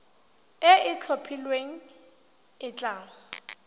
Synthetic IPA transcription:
ɪɪt͡ɬʰopʰilweŋ̩ | ɪt͡ɬʼaːŋʊ

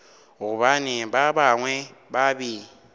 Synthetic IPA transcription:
oβanibabaŋwɛbabi

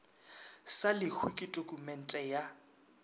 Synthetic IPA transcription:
salɪhʰukʼɪtʼokʼumɛn̩tʼɛja

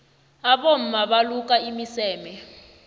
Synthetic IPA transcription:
aɓom̩maɓaluk̬ʼaimisɛːmɛ

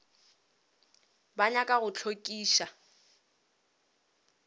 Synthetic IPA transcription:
baɲakʼaɣʊt͡ɬʰokʼiːʃa

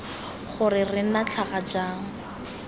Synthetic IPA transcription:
χʊrɪrɪnat͡ɬʰaχad͡ʒaːŋ̩

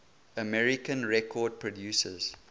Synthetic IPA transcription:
əmɛɹikə̃nɹɛkʰɔːd̚pʰɹɔdjuːsə̰z̥

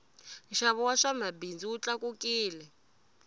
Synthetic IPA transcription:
ʃaβɔwaʂamabind͡ziut͡ɬakukiːlɛ

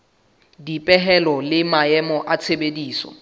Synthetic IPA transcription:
dipʼɛɦɛlɔlɪmaɛmɔʔat͡sʰebediːsɔ̰

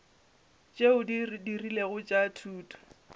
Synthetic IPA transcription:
t͡ʃʼeʊddirileɣʊt͡ʃʼatʰuːtʰʼɔ̥

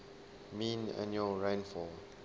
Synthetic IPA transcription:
mĩna̰njuəlɹãjnfɔ

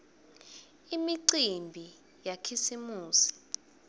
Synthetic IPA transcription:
imiǀimbʱi | jakʰisimuːsi̥

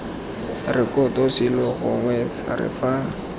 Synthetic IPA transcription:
rɪkɔtʼɔsɪlɔɣʊŋwɛsa̰rɪ̰fa

